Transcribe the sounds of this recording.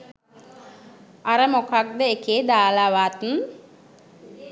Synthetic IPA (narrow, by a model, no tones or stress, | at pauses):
aɾəmokak̚d̪əekeːd̪aːlaʋaːt̪un